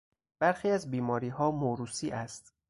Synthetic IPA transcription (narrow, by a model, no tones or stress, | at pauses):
b̥æɾxiːæzbiːmɒːɾiːɦɒːmoɾuːsiːʔæst̪